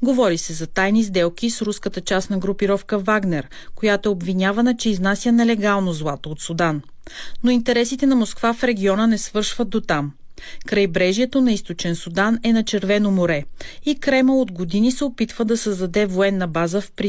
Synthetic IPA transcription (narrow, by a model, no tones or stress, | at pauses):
ɡovɔɾisɛzɐt̪ajnizd̪ɛlˠk̟isɾuskət̪ət͡ʃasnɐɡɾʊpiɾɔfkəvaɡnɛɾ | kojat̪oɛobvinʲavɐnət͡ʃɛiznasʲjənɛlɛɡalˠnozlˠat̪oːt̪sud̪an | noint̪ɛɾɛsit̪ɛnɐmoskvafɾɛɡʲiɔnənɛsvɤɾʃvət̪̚d̪ot̪am | kɾəjbɾɛʒiɛt̪onɐist̪ot͡ʃɛnsud̪anɛnɐt͡ʃɛɾvɛnomoɾɛikɾɛməod̪ɡod̪inisɛopit̪vəd̪ɐsɐzd̪ɐd̪ɛvoɛnːɐbazəfpɾi